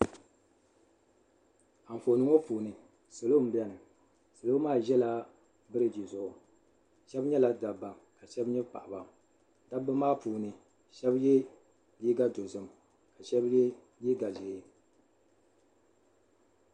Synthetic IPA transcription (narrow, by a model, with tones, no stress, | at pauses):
a˨m̩˨fo˨nɨ˦ŋo˦pu˨nɨ˨ | so˨lo˦m̩˦bɛ˦nɨ˨ | so˨lo˦maː˦˨ʒɛ˦la˦ | bɨ˦ɾɨ˨d͡ʒi˨zʊ˨ʔʊ˨ | ʃɛ˦bɲɛ˦la˨da˨ba˨ŋka˨ʃɛ˦bɲɛ˦pa̰˨ʔa˨ba˨m | da˦bɨ˦maː˦puː˨nɨ˨ | ʃɛ˦bjɛ˦ | liː˦ɡa˦do˨zɨ˨m | ka˨ʃɛ˦bjɛ˦ | liː˦ɡa˨ze˨˦